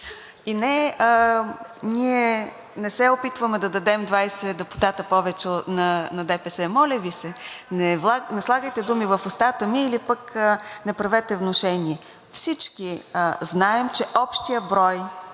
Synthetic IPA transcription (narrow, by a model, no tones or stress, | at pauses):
inɛə | niɛ | nɛsɛopit̪vəmɛd̪ɐd̪ɐd̪ɛmd̪vajsɛd̪ɛpʊ̥t̪at̪əpɔvɛt͡ʃɛot̪nɐnɐd̪ɛpɛsɛmɔlʲəvisɛnɛvˠanɛslˠaɡəjt̪ɛd̪umivəfʊst̪at̪əmiilipəknɛpɾɐvɛt̪ɛvnoʃɛniɛ | fsit͡ʃkiznaɛmt͡ʃɛʔɔpʃt̪ijəbɾɔj